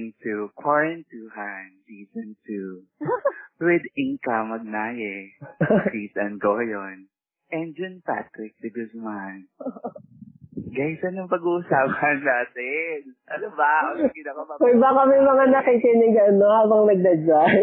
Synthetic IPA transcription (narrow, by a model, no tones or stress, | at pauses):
ŋt̪ukwaɹɛnt̪uːɦansiːsɔnt̪u | wɪd̪ɪŋkamɐɡ̚naːjɛ | sisɐnɡoːjon | ʔɛnd͡ʒʊnpa̰t̪ɾɪk̚sɪɡʊsman | ɡasɐnjʊŋpɐɡuʔʊsaːpʰɐnːaːt̪ɛnʔɐnobɐokid̪ɐkopɐkojbakɐmɐjmɐŋanɐkɪkɪnɪɡɐnohaːbɐŋnɐɡ̚d̪ɐd͡ʒaj